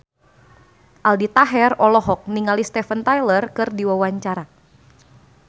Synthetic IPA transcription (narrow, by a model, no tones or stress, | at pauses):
ʔaldit̪aɦɛrɔlɔɦɔk̚niŋalist̪ɛfənt̪ajlərkɨrdiwawaɲt͡ʃaɾa